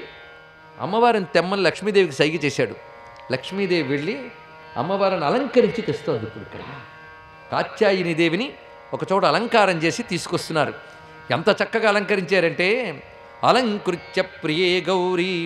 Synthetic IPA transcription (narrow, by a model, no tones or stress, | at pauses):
ɐ̰mːɐʋaːɾɐnt̪ɛmːɐnilɐkʂmiːd̪eːʋikisɐjɡit͡ʃɛːʃaːɽu | lɐkʂmiːd̪eːʋiʋeɭːi | ɐ̰mːɐʋaːɾɐnɐlɐŋkɐɾiɲt͡ʃit̪est̪oːd̪ipːuɽukɐ̰ja | ka̰ːt͡ʃːaːjinid̪eːʋini | ɔkɐt͡ʃɔːʈɐɐlɐŋkaːɾɐmt͡ʃe̞ːsit̪iːsu̥kɔst̪unːaːɾṵ | ent̪ɐt͡ʃɐkːɐɡaːlɐŋkɐɾiɲt͡ʃaːɾɐɳʈe̞ː | ɐ̰lɐŋkɾut͡ʃːɐpɾijeːɡɐwɾi